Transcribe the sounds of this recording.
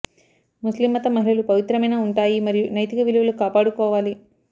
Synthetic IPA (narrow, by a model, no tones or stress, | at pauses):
muslimːɐt̪ɐmɐɦilɐlupɐʋit̪ɾɐmɐjnaːuɳʈaːjimɐɾijunɐjt̪ikɐʋiluʋɐlukaːpaːɽukɔːʋaːli